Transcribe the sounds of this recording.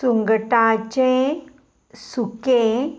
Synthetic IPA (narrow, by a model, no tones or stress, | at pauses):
suŋɡəʈãt͡ɕẽ | suke